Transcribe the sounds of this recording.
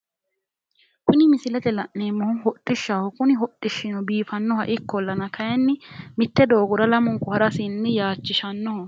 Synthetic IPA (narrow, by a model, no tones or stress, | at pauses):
kʊnɪmɪsɪlɛt̪ɛlɐʔne̞ːmːɔhʊnhɔtʼːɪʃːaːhɔkʊnɪɦɔtʼːɪʃːɪnɔbiːfɐnːɔhɐ̰ʔɪkːɔlːɐnɐkʰɐjɛnːɪmɪt̪ːɛd̪o̞ːɡʊɾɐlɐmʊŋkːʊhɐɾɐsɪnːɪjaːt͡ʃːɪʃɐnːɔhɐ